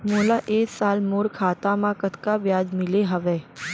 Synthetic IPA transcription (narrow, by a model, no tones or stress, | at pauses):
moːlaʔeːksaːlmoːɾkʰaːt̪ãmãkət̪kabjaːd͡ʒmɪleɦɐʋeː